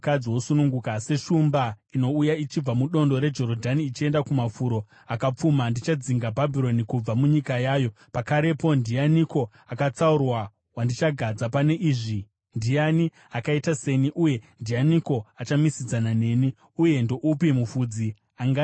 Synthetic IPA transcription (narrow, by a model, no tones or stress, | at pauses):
kad͡ziwosunuŋɡukase̞ʃumbaino̞ujait͡ʃib͡vamuɗo̞ndo̞ɾe̞d͡ʒo̞ɾodʱaniːt͡ʃie̞ndakumafuɾo̞ | akap͡fumandit͡ʃad͡ziŋɡabʱabʱiro̞nikub͡vamuɲikajaːjo̞ | pakaɾe̞po̞ndijaniko̞ | akat͡saurwa | wandit͡ʃaɡʱad͡zapane̞ʔiːʐi | ndijani | akaitase̞niʔuje̞ndijaniko̞at͡ʃamisid͡zanane̞ni | uje̞ndoʔupimufud͡zi | aŋɡa